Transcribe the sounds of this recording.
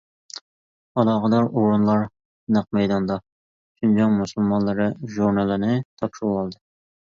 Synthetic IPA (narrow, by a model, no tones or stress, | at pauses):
ɑlˠɑʁəd̪ɑɾoɾunlˠɑɾ | næq̚mɛjd̪ɑnd̪ɑ | ʃʰund͡ʒɑŋmusulˠmɑnlˠɨɾɨʒuɾnɑlˠɨnɪt̪ʰɑpʃɾwɑlˠd̪ɨ